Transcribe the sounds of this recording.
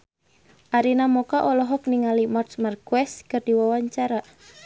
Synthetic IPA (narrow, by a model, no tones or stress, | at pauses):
ʔaɾinamɔkaʔɔlɔɦɔk̚niŋalimarsmarkwɛskərd̥iwawaɲt͡ʃaɾa